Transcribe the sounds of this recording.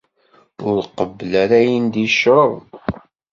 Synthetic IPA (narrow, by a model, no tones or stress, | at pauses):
ʊɾqəbːəlæɾæjənd̪iʃɾˤəðˤ